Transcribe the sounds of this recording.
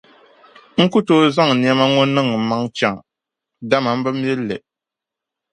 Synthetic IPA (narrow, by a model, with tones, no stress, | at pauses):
ŋ̩˦ku˦toː˦za˦ŋ˨ni˨a˦ma˦ŋɔ˦nɨ˦ŋɨ˨ma˦ŋt͡ʃa˨ŋ | da˦ma˨m̩˦bɨ˦m˦ɛ˦lːɨ̰˨